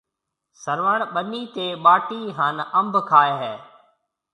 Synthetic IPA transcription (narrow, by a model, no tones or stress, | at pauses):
səɾʋəɳɓəniːt̪eːɓaːʈiːɦaːnə̃mbkʰaːeɦɛː